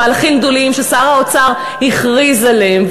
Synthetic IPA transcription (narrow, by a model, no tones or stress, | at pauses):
aːlaχimɡ̚d̪olimʃesaʁaot͡saʁ | hiχʁizaleemv